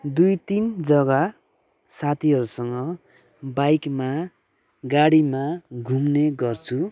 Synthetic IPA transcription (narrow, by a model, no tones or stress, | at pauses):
d̪ujt̪ind͡zʌɡa | sat̪ʰiɦʌɾusʌŋɡʌ | bajkma | ɡaɽimaɡʱumneɡʌrt͡sʰu